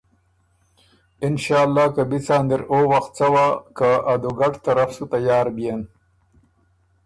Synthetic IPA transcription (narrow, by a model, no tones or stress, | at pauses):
ɪnʃɑːlːɑːkabit͡sɑːnd̪ɪɾowaxt̪̚t͡sawakaʔad̪uɡaʈt̪aɾafsut̪ajɑːɾbijen